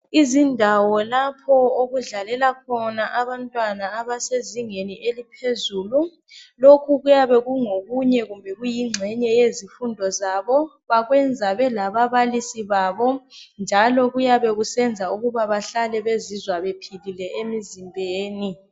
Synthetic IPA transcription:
izindʱawɔlapʰɔoɣuɮalɛlakʰɔnaʔaβantʼwanaːβaseziŋeniʔelipʰezuːlu | lokʰuɣujaβɛɣuŋoɣuɲɛɣumbʱɛɣujiŋ͡ǀʱɛɲɛjezifundʱɔzaβɔ | βaɣwɛnd͡zʱaβɛlaβaβalisiβaːβɔnd͡ʒʱalɔɣujaβɛɣusɛnd͡zʱauɣuβaβaɬalɛβezizwaβepʰililɛʔemizimbʱeːni

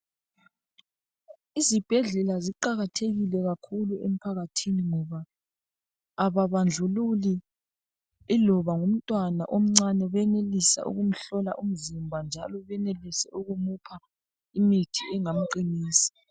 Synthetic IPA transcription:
izib̥ʱɛɮɛlaziǃaɣatʰeɣilɛɣakʰuluem̩pʰaɣatʰiniŋɔβa | βaβand͡ɮʱululi | ilɔβaŋum̩tʼwana̰ʔom̩ŋ͡ǀanɛβɛnelisa̰ʔṵɣum̩ɬɔla̰ʔum̩zimbʱand͡ʒʱa̰lɔβɛnelisɛʔuɣumupʰa | imitʰiɛŋam̩ǃiniːsi̥

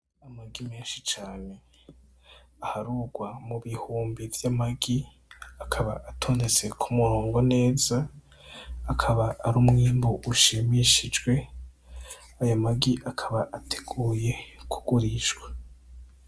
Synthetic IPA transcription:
amaɡime̞ːnʃit͡ʃaːne̞ | ahaɾuːɡwamuβihuːmbivjamaɡi | akʰaβaʔatʰo̞ːnet͡se̞kʰumuɾoːŋɡone̞ːza | akʰaβaːɾumŋiːmbuʔuʃimiʃid͡ʒɡwe̞ | ajamaɡiʔakʰaβaʔatʰe̥ɡ̥uːje̞kʰu̥ɡ̥uɾiʃɡwḁ

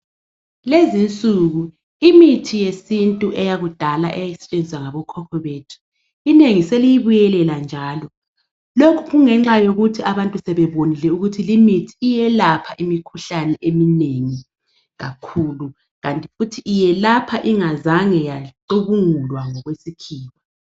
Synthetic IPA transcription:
lezint͡sʼuɣu | imitʰijesintʼuʔɛjaɣud̥ʱala̰ʔɛjɛsɛ̥t͡ʃʼend͡zʱiswaŋaβɔkʰɔkʰɔβeːtʰu̥ | ineŋiselijiβujɛlɛland͡ʒʱaːlɔ | lokʰu̥ɣuŋɛŋ͡ǁajoɣutʰiaβantʼusɛβɛβonilɛuɣutʰilimitʰiːjɛlapʰaʔimikʰuɬanɛʔemineŋi | ɣa̰kʰuːlu | ɣantʼi̥futʰiʔːjɛlapʰaʔiŋazaŋɛjaǃuβuŋulwaŋɔɣwesikʰiːwa

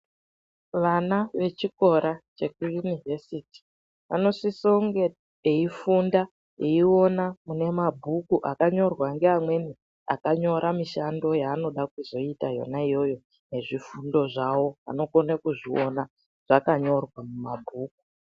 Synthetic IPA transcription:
ʋanaʋe̞t͡ʃiko̞ɾat͡ʃe̞kujunivesiti̥ | ʋano̞ʂisoŋɡe | eifunda | eio̞namune̞mabʱukuʔa̰kaɲo̞rwaŋɡeamwe̞ni | a̰kaɲo̞ɾʔamiʃando̞jaːno̞ɗak̚uzo̞itajo̰naijo̞jo̞ | ne̞ʐifundo̞ʐawo̞a̰no̞konakuʐio̞na | ʐ̥akaɲo̞rwamumabʱuːku̥

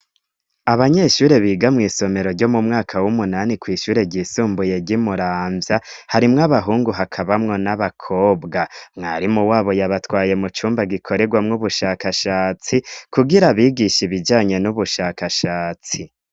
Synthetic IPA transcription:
aβaɲe̞ʃuːɾe̞βiːɡamŋiːso̞me̞ɾo̞ɾɟo̞mumŋaːkʰawumunaːnikwiːʃuːɾe̞ɟiːsuːmbuje̞ɟimuɾaːmvjahaɾimŋaβaɦuːŋɡuɦakʰaβamŋo̞naβakʰo̞ːbɡamŋa̰ːɾimuwaːβojaβatwaːje̞mut͡ʃuːmbaɡikʰo̞ɾe̞ɡwamŋuβuʃaːkaʃaːt͡sikuɡiɾaβiɡiʃiβid͡ʒaːɲe̞nuβuʃaːkaʃaːt͡si

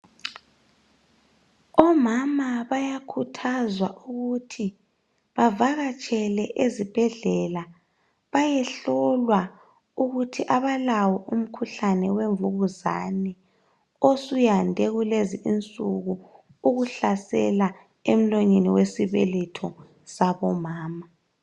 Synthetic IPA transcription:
ɔmamaβajakʰutʰazwaʔuɣutʰi | βavaɣat͡ʃʰʼɛlɛʔezib̥ʱɛɮɛla | βajɛɬɔlwa | uɣutʰiʔaβalawɔʔum̩kʰuɬanɛweɱvuɣuza̰nɛ | osujandʱɛɣuleziʔint͡sʼuɣu | uɣuɬasɛ̰la | em̩loɲeniwesiβɛlɛtʰɔ | saβɔmaːma

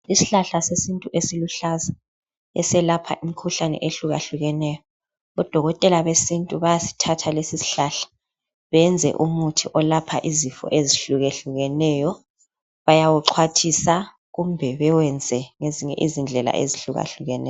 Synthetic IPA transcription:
isi̥ɬaɬasesintʼuʔesiluɬaza | ɛ̰sɛlapʰa̰ʔimikʰuɬanɛ̰ʔeɬuɣa̰ɬuɣɛnɛjɔ | ɔd̥ʱɔɣɔtʼɛlaβesintʼuβajasi̥tʰatʰalesisi̥ɬaɬḁ | βɛnd͡zʱɛ̰ʔumutʰiʔɔlapʰa̰ʔizifɔ̰ʔeziɬuɣɛɬuɣɛnɛjɔ | βajawuǁʰwatʰisa | ɣumbʱɛβɛwɛnd͡zʱɛŋeziŋɛ̰ʔizind͡ɮʱɛla̰ʔḛziɬuɣa̰ɬuɣɛnɛ̰j

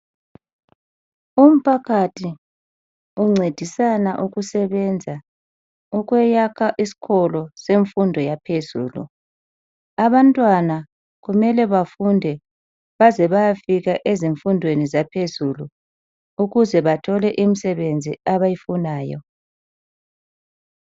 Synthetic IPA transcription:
um̩pʰaɣʰatʰi | uŋ͡ǀed̥ʱisanaʔuɣusɛβɛnd͡zʱa | uɣwɛjakʰaʔisi̥kʰɔlɔseɱfundʱɔjapʰezṵːlṵ | aβantʼwana | ɣumɛlɛβafundʱɛ | βazɛβajafiɣaʔeziɱfundʱwenizapʰezulu | uɣuzɛβatʰɔlɛʔimisɛβend͡zʱiaβajifunaːjɔ̰

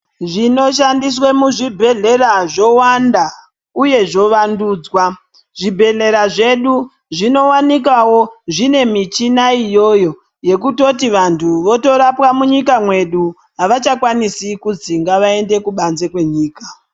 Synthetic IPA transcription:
ʐino̞ʃandiswemuʐibʱe̞ɮe̞raʐo̞wanda | uje̞ʐo̞ʋanduːd͡zwa | ʐ̥ibʱe̞ɮe̞ɾaʐe̞ɗu | ʐino̞wanik̬awo̞ʐine̞mit͡ʃinaijo̞jo̞ | je̞k̬uto̞tiʋantʰuʋo̞to̞ɾapwamuɲikamwe̞ɗu | aʋat͡ʃakwanisikud͡ziŋɡaʋae̞nde̞kuɓanze̞kwe̞ɲiːka

